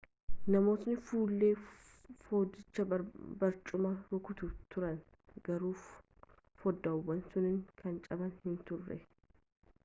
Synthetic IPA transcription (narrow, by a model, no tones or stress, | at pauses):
nɐmo̞ːsnɪfuːlːe̞ː | fo̞ːd̪ɪt͡ʃːɐbɐɾt͡ʃʼʊmɐɾʊkʊt̪ʊt̪ʊɾɐn | ɡ̥ɐɾuːfː | ɔd̪ːɐʊwːɐnsʊnɪŋkʰɐnt͡ʃʼɐbɐnhɪnt̪ʊrːɛ̰